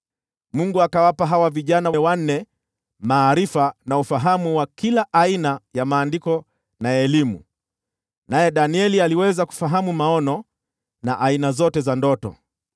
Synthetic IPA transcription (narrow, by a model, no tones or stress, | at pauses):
muŋɡuakawapaɦawaviʄanawwan̩ːɛ | maːɾifanaufaɦamuwakilaʔainajamaːndikɔ | naɛlimṵ | najɛɗaniɛlialiwɛzaku̥faɦamumaɔnɔ | na̰ʔainazɔtɛzandɔtɔ̰